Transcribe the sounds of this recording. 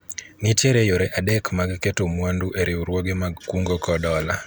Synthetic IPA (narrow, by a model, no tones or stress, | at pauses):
nit͡ʃeɾejoɾɛʔadɛkmaɡketomwanduʔeɾɪwɾwoɡemaɡkuŋɡokɔdɔla